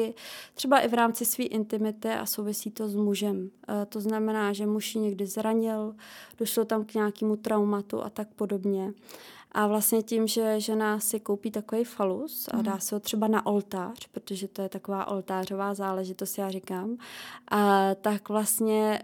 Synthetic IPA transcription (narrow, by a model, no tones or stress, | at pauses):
ɪr̥ɛbaʔɪvɾaːmt͡sɪsviːʔɪnt̪ɪmɪt̪ɪʔa̰sowvɪsiːt̪o̞zmuʒɛmt̪o̞znamɛnaːʒɛmuʃjɪɲɛɡdɪzɾaɲɪld̥o̞ʃlo̞t̪amkɲaːkiːmut̪ɾawmat̪ṵʔa̰t̪ak̚po̞do̞bɲɛ | ʔavlast̪ɲɛcɪmʒɛʒɛnasɪkowpiːt̪akovɛjfalusa̰daːsɪɦot̪r̝̥ɛbanaʔo̞lt̪aːr̝̥pɾot̪oʒɛt̪ojɛt̪ako̞vaːʔolt̪aːr̝o̞vaːzaːlɛʒɪt̪ost̪jaːrɪkaːmʔat̪akvlast̪ɲɛ